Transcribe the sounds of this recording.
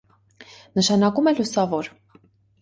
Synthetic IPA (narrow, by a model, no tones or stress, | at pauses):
nəʃɑnɑkumɛlusɑvɔɾ